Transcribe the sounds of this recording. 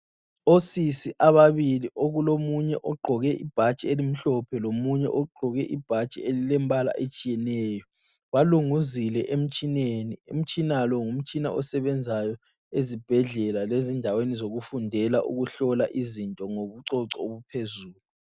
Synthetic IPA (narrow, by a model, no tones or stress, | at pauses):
osisiʔaβaβiliʔoɣulomuɲɛʔɔɡ͡ǃʱɔɣɛʔib̥ʱḁt͡ʃʼielim̩ɬɔpʰɛlomuɲɛ̰ʔɔɡ͡ǃʱɔɣɛʔib̥ʱḁt͡ʃʼḭelilɛmbʱʼala̰ʔet͡ʃʼijɛnɛːjɔ | waluŋuzilɛʔem̩t͡ʃʼinenium̩t͡ʃʼinalɔŋum̩t͡ʃʼina̰ʔɔsɛβɛnd͡zʱajɔ | ezib̥ʱɛɮɛlalezindʱawenizoɣufundʱɛlaʔṵɣuɬɔlaʔizintʼɔŋoβuǀɔǀɔoβupʰezuːlu